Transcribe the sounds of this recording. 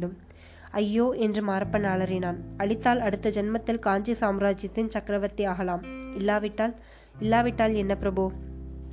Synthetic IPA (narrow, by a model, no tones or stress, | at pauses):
ɽɯm | ɐjːoːʔɛndrɯmaːɾɐpːɐnaːɭɐɾɪnaːnɐɭɪt̪ːaːlɐɽɯt̪ːɐd͡ʒɛnmɐt̪ːɪlkaːɲd͡ʒisaːmɾaːd͡ʒjɐt̪ːɪnt͡ʃɐkɾɐʋɐɾt̪ːiaːɣɐlaːmɪlːaːʋɪʈːaːl | ɪlːaːʋɪʈːaːlɛnːɐpɪɾɐboː